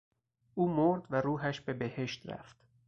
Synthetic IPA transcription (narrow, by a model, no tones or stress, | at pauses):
ʔuːmoɾd̪væɾuːɦæʃbe̞behe̞ʃt̪ɾæ̰ft̪